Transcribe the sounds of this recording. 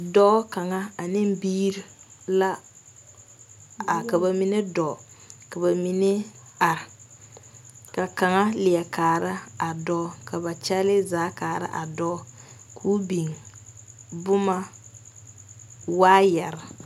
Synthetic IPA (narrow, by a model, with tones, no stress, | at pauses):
dɔ˦ka˨ŋa˦a˨nɪ˦m˦biː˦ɾi˨la˦ | a˨ka˨ba˨mi˦nɪ˦dɔ˨ | ka˨ba˨mi˨nɪ˦a˨ɾɪ˨ | ka˨ka˨ŋa˦lɪ˨ɛ˨kaː˨ɾa˦a˨dɔː˦ka˨ba˨t͡ʃɛ˦lɪ˦zaː˨˦kaː˨ɾɪ̰˦ʔa˨dɔː˦ | kʰuː˦bi˨ŋ˨ | bʊ˦ma˦ | waː˦jɛ˨ɾɪ˨